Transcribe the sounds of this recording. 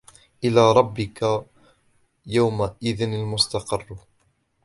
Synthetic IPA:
ʔɪlaːɾˤɑbːɪka | jawmaʔɪðɪnalmʊst̪ɑqɪrˤː

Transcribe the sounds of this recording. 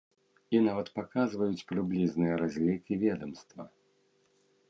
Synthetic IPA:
inavɐt̪pakazvɐjut͡sʲpɾɨblʲiznɨjɐɾazʲlʲikʲivʲɛd̪ɐmst̪vɐ̰

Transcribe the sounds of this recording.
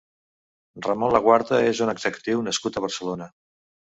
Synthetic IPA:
rəmonləɣwaɾðəezunəɡzəku̥t̪iwnəskut̪əβ̞əɾsəlonə

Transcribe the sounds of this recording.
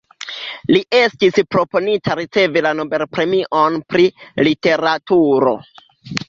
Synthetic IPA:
liʔe̞stispɾo̞po̞nitaɾit͡se̞vilano̞be̞lpɾe̞miʔo̞npɾilite̞ɾatuɾo̞̰

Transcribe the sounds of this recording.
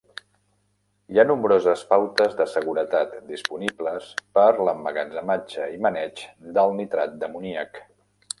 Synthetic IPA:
janumbɾozəspawt̪əzðəsəɣ̞uɾət̪at̪d̪ispunibləspəɾləməɣənzəmad͡ʒəimənɛt͡ʃd̪əlˠnit̪ɾat̪̚d̪əmuniək

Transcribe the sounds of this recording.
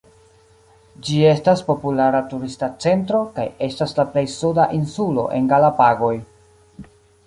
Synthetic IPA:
d͡ʒie̞staspo̞pulaɾatuɾistat͡se̞ntɾo̞kaje̞staslaple̞jsudaʔinsulo̞̰ʔe̞ŋɡalapaɡo̞j

